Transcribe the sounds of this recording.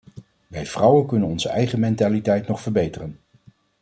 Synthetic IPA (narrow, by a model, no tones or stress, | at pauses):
ʋɛjv̥rʌwənkɵnənɔnzəʔɛjχəmɛntaːlitɛjtnɔχfəɹbejtərən